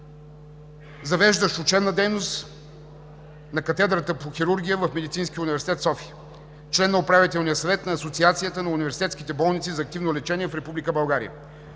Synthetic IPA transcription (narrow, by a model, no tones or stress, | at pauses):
zɐvɛʒd̪əʃʊt͡ʃɛbnəd̪ɛjnost̪ | nɐkɐt̪ɛd̪ɾət̪əpoxiɾuɾɡʲijəvəfmɛd̪it̪sinskʲiəunivɛɾsit̪ɛt̪sɔfiə | t͡ʃlɛnːɐopɾavit̪ɛlˠnijəsɐvɛt̪nɐːsot̪siat̪sijət̪ənɐunivɛɾsit̪ɛt̪skit̪ɛbɔlˠnit̪sizɐːkt̪ivnolɛt͡ʃɛniɛfɾɛpublikəbɐlˠɡaɾḭə̰